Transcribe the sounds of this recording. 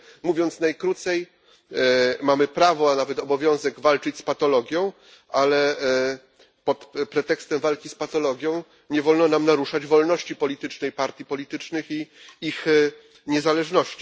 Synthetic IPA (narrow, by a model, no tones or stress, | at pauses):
muvʲjɔnt̪snajkɾut̪sɛj | mamɘpɾavɔanavɛt̪ɔbɔvʲjɔ̃w̃zɛɡvalt͡ʂɘt͡ɕspat̪ɔlɔɡʲjɔ̃w̃ | ʔalɛ | pɔt̪pɾɛt̪ɛkst̪ɛmvalkʲispat̪ɔlɔɡʲjɔ̃w̃ | ɲɛvɔlnɔnamnaɾuʂad͡ʑvɔlnɔɕt͡ɕipɔlʲit̪ɘt͡ʂnɛjpaɾt̪ʲjipɔlʲit̪ɘt͡ʂnɘxiix | ɲɛzalɛʐnɔɕt͡ɕi̥